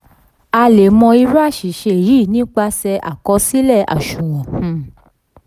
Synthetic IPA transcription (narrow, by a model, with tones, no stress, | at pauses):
a˧le˨mɔ̃˧i˧ɾa˦˨ʃi˨ʃe˧˨jiː˨˦˨nĩ˦k͡pa˧sɛ˧ʔa̰˨kɔ˧˦si˦lɛ˦˨a̰˨ʃũ˨w̃ɔ̃˨